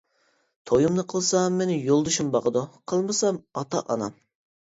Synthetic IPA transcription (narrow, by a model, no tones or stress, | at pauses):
t̪ʰojumnɨqʰəlˠsɑmːenɪjolˠd̪uʃumbɑqəd̪uqʰəlˠmɨsɑmɑt̪ɑ̰ʔɑ̰nɑ̰m